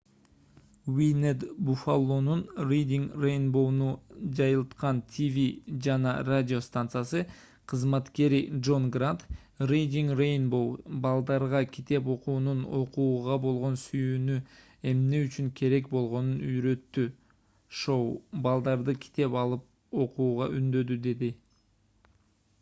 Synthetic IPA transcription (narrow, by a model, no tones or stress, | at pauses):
wined̪bufalˠːonunrejdʲiŋrejnbo̞wnud͡ʒɑjɯlˠt̪qɑnt̪ʲʰivʲid͡ʒɑnɑ̰radʲɪo̞st̪ant̪sɨjasɯ | qʰəzmɑt̪ke̞ɾidʒo̞nɡrat̪ | rejdʲiŋrejnbo̞wbɑlˠd̪ɑɾʁɑkʲʰit̪e̞p̬o̞quːnuno̞̰quːʁɑbo̞lˠʁo̞nsyjyːny | e̞mne̞yt͡ʃyŋkʲʰe̞ɾe̞k̚bo̞lˠʁo̞nunyjɾø̞t̪ːy | ʃo̞wbɑlˠd̪ɑɾd̪ɯkʰʲi̥t̪e̞pɑlˠɯp̚ | o̞qʰuːʁɑʔynd̪ø̞d̪yd̪e̞d̪i